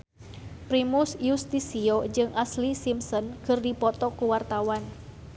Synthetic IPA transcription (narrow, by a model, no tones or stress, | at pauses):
pɾimʊsjust̪isiod͡ʒɨŋʔaslisimsɔnkɨrdipɔt̪ɔkuwart̪awan